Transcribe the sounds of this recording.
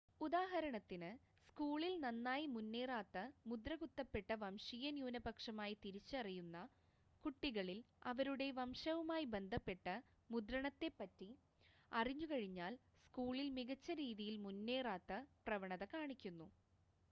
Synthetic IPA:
ud̪aːɦɐɾɐɳɐt̪ːinɨ | skuːɭilnɐnːaːjimunːeːraːt̪ːɐmud̪rɐɣut̪ːɐpːe̞ʈːɐʋɐmʂijɐnjuːnɐbɐkʂɐmaːjit̪iɾit͡ɕːɐɐrijunːɐ | kuʈːiɣɐɭilɐ̰ʋɐɾuɽe̞ʋɐmʂɐʋumaːjibe̞nd̪ʱɐpːe̞ʈːɐ | mud̪ɾɐɳɐt̪ːe̞pːɐtːi | ɐriɲːukɐɻiɲːaːl | skuːɭilmiɣɐt͡ɕːɐɾiːðijilmunːe̞ːraːt̪ːɐprɐʋɐɳɐðɐkaːɳikʲːunːu

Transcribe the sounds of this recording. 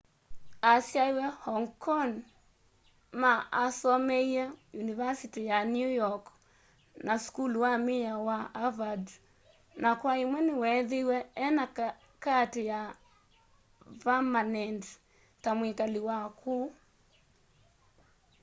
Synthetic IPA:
asjaiwɛhɔŋkɔŋ | maʔasɔmɛiajunivasitijanjujɔk | nʔaskulwamiawaavad | nakwaimwɛniwɛðiwɛːna | katija | vamanɛnd | tamwikaliwakʰuː

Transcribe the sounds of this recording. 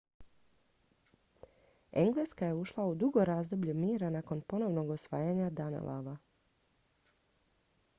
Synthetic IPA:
ḛŋɡle̞skaje̞uʃlˠaud̪uɡo̞ɾaːzd̪o̞bʎumiːɾanako̞npo̞no̞ʋno̞ɡosʋaːjaːɲad̪ana̰lʔa̰ʋa

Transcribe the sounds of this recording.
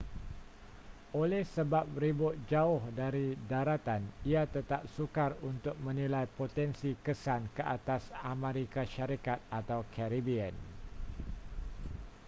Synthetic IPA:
olɛhsəbap̚ribʊt̪̚d͡ʒaʊhdaɾidaɾat̪aniat̪ət̪ap̚sukarunt̪ʊk̚mə̃nilajpot̪ɛnsikəsankəʔat̪asameɾikaʃaɾikat̪̚at̪awkʰɛɾibiən

